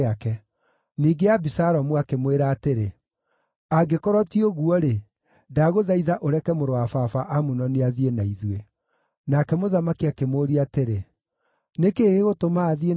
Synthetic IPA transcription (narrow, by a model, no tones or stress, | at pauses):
akɛ | niːɡeabisaɾɔmuakemweɾaːteɾe | aɡekɔɾɔtioɣuɔɾe | daɣoðaiðaʔoɾɛkɛmoɾoafafaʔamunɔneaðienaiðwe | nakɛmoðamakiakemoːɾiateɾe | nekeːɣeɣotomaːðie